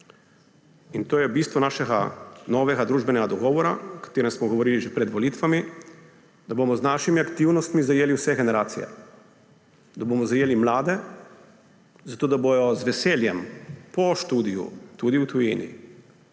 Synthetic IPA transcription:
int̪oːjɛbiːst̪ʋɔnaːʃɛɡa̰nɔʋɛɡad̪ɾuːʒbɛnɛɡad̪ɔɡɔːʋɔɾa̰kḁt̪eːɾɛmsmɔɡɔʋɔɾiːliʒepɾɛd̪ʋɔliːt̪ʋami | d̪abomɔznaːʃimiakt̪iwnɔst̪mizajeːliwsɛɡɛnɛɾaːt̪sḭjɛ̰ | d̪abomɔzajeːlimlaːd̪ɛ | zat̪oːd̪abojɔzʋɛseːljɛmpɔʃt̪uːd̪ijṵt̪ud̪iwt̪ujiːnḭ

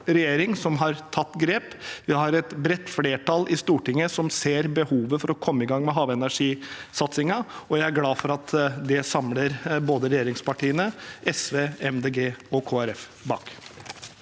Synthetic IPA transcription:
ɾɛjeːɾɪŋsɔmɦɑɾt̪ʰɑt̪ːɡɾeːpjæɪhɑɾɛt̪bɾɛt̪ːfleːʈɑlʔɪst̪uːʈɪŋːəsɔmseːɾbəhuːʋəfɔɾɔkʰɔmːəɪɡɑŋmɛɦɑːʋɛnæʂiːsɑt̪sɪŋɑɔjæɪæɾɡlɑːfɔɾɑt̪d̪ɛsɑmləɾboːd̪əɾɛjeːɾɪŋspɑʈiːənəʔɛsʋeːɛmd̪eːɡeːɔkʰoːæɾɛf | bɑ̰ːk

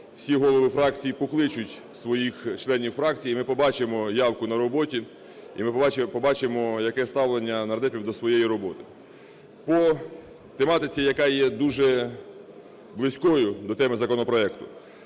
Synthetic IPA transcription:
wsʲiɦɔlˠɔʋɪfɾɑkt͡sʲijipɔklˠɪt͡ʃʊtʲ | sʋɔjixt͡ʃlˠɛnʲiwfɾɑk̚t͡sʲijimɪpɔbɑt͡ʃemɔjɑwkʊnɐɾɔbɔtʲi | ḭmɪpɔbɑt͡ʃemɔjɐkɛst̪ɑwlˠenʲːɐnɐrd̪ɛpʲiwd̪ɔsʋɔjejiɾɔbɔt̪ɪ̥ | pɔ | t̪emɑt̪ɪt͡sʲijɐkɑjɛd̪uʒɛ | blˠɪsʲkɔjʊd̪ɔt̪ɛmɪzɐkɔnɔpɾɔɛkt̪ʊ

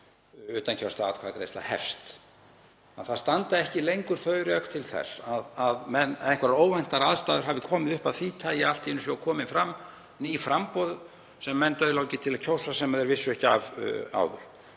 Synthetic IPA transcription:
ʏːt̪ancʰawst̪aaːt̪kʰaːðkɾḛjst̪la̰hɛ̰fst̪ | anθaðst̪ant̪aɛhcɪlejŋkʏɾ̥θœːɥɾœkt̪ʰɪlθɛ̰saðaðmɛnðeŋkvaɾaɾoːwvɛjn̥t̪aɾaðst̪aːðʏɾ̥ɦaːvɪkʰɔːmɪðʏhpaðfiːt̪ʰaːjɪal̥t̪iɪnːʏsɔɔkʰɔːmɪnfɾamː | nifɾampɔðʏ | sɛmːɛnːt̪œːðloːwcɪt̪ʰɪlaðcʰowsasɛmaðɛɾvɪsːʏɛhcɪav̰a̰ːwðʏ̰ɾ̥

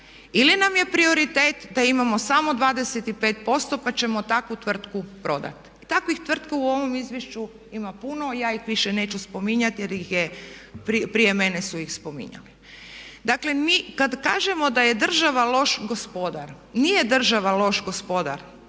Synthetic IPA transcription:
ilinamje̞pɾio̞ɾit̪eːt̪d̪aimamo̞samo̞d̪ʋaːd̪eset̪ipeːt̪̚po̞st̪o̞pat͡ɕe̞mo̞t̪akʋut̪ʋr̩t̪kupɾo̞d̪a̰t̪ | it̪akʋixt̪ʋr̩t̪kauo̞ʋo̞mizʋjeʃt͡ʃu | imapuno̞jaːixʋiʃene̞ːt͡ɕuspo̞miɲat̪jeɾixjepipɾije̞me̞nesuixspo̞mḭɲa̰li | d̪akle̞miːkad̪ka̰ːʒe̞mo̞d̪ajed̪r̩ʒaʋalo̞ʃɡospo̞d̪aɾ | nije̞d̪r̩ʒaʋalo̞ʃɡo̞spo̞d̪a̰ɾ

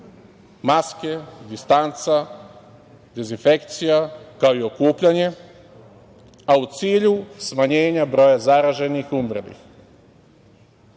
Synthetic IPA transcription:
maske̞d̪ist̪ant̪sa | d̪e̞zinfe̞kt̪sijakaoio̞kuːpʎaɲe̞ | aut̪siːʎusmaɲe̞ːɲabɾo̞jazaɾaʒe̞nixumɾelḭx

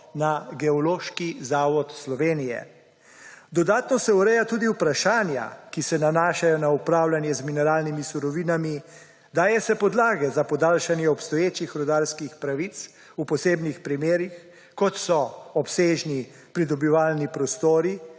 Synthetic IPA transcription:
naɡɛɔloːʃkizaːʋɔt̪slɔʋeːnijɛ̰ | d̪ɔd̪aːt̪nɔsɛuɾɛjat̪uːd̪iupɾaʃaːnja̰kisɛnanaːʃajɔnaupɾaːwlanjɛzminɛɾaːlnimisuɾɔʋiːnami | d̪aːjɛsɛpɔd̪laːɡɛzapɔd̪aːlʃanjɛɔpst̪ɔjeːt͡ʃixɾɔd̪aːɾskixpɾaʋit̪s | upɔseːbnixpɾimeːɾix | kɔt̪sɔɔpseːʒni | pɾid̪ɔbiʋaːlnipɾɔst̪oːɾi

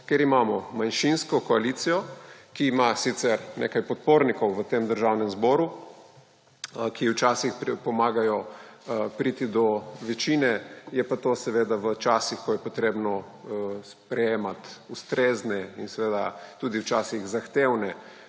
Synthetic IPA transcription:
keɾimaːmɔmanʃinskɔkɔalit̪sijɔkiːmasit̪sɛɾnḛkajpɔt̪̚poɾnikɔwʋət̪emd̪əɾʒawnɛmzbɔːɾu | kʰiwt͡ʃaːsixpipɔmaːɡajɔ | pɾit̪id̪ɔʋɛt͡ʃiːnɛjɛpat̪osɛʋeːd̪aʋət͡ʃasixkɔjɛpɔt̪ɾeːbnɔ | spɾɛjeːmat̪ust̪ɾeːznɛinsɛʋeːd̪at̪ud̪iwt͡ʃasiɣzaxt̪ewnɛ

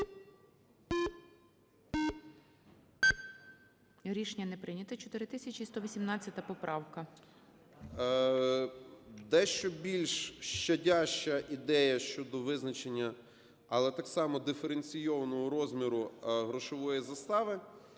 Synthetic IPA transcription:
ɾʲiʃnʲːɐnɛpɾɪnʲɐt̪ɐt͡ʃɔt̪ɪɾɪt̪ɪsʲɐt͡ʃʲist̪ɔʋʲisʲimnɑt͡st͡sʲːɐt̪ɐpɔpɾʔɑwkɐ | d̪ɛʃt͡ʃɔbʲilʲʃʃt͡ʃɐdʲaʃt͡ʃɐʔid̪ɛjɐʃt͡ʃɔd̪ɔʋɪznɐt͡ʃenʲːɐ | ɐlˠɛt̪ɑksɑmɔd̪ɪfeɾenʲt͡sʲijɔʋɐnɔɦɔɾɔzmʲiɾʊɦɾɔʃɔʋɔjizɐst̪ɑʋɪ

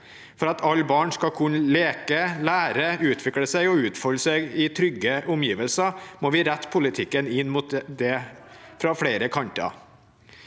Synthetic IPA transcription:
fɔɾɑt̪ʰɑlːbɑːɳskɑkʰʉnleːkəlæːɾəʉːt̪ʰʋɪkɽəsæɪɔʉːt̪fɔləsɛɪɡɪt̪ʰɾʏɡːəʔʊmjiːʋəlsɑmoːʋɪɾæt̪ːpʰʊlɪt̪ʰɪkːənɪnːmuːt̪d̪ɛfɾɑfɽeɪɾəkʰɑnt̪ɑ̰

